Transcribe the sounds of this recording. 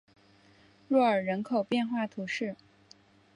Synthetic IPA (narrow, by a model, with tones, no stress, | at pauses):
ɻɔ˥˩ə˞˨˩ɻə˧˥nkʰo˨˩ʊpjɛ˥˧nxwa˥˩t̪ʰu˧˥ʂɻ̩˥˩